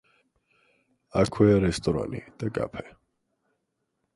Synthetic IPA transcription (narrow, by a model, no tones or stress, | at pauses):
akʰwɛaɾɛst̪ʼɔɾa̰nḭd̪̥akʼa̰pʰɛ